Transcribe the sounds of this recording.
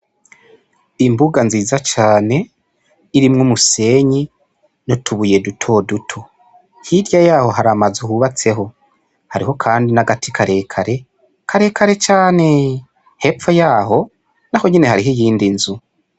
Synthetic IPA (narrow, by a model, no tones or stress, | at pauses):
imbuɡanziːzat͡ʃaːne̞ | iɾimŋumuse̞ɲi | no̞tuβuje̞dutʰo̞dutʰo̞ | hiɾjajaːho̞ɦaɾamazuhuβat͡se̞ɦo̞ | haɾiɦo̞kʰaːndinaɡatʰikʰaɾe̞kʰaɾe̞ | kʰaɾe̞ːkaɾe̞t͡ʃaːne̞ | he̞pfojaːɦo̞ | naho̞ɲine̞haɾiɦijiːndinzu